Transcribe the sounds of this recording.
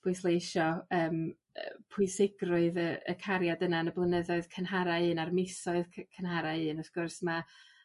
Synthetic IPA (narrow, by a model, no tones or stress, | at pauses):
b̥ʊɨslˠeɪʃɔəːm | ə̰pʰʊɨsɪɡrʊɨðəə̰kʰaɾjadənanəblˠənəðɔɨð̥kʰənɦaɾaɨːnarmɪsɔɨðkʰkʰənɦaɾaɨːnɔfkʊrsma